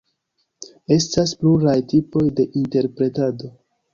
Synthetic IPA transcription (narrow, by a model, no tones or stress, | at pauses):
e̞staspluɾajtipo̞jde̞ʔinte̞ɾpɾe̞tado̞